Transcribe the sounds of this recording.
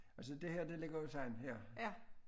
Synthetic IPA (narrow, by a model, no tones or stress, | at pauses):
æls̬əd̥e̝hɛɐ̰d̥e̝le̝ɡ̥ɐjosɑɪ̰nhɛɐ̰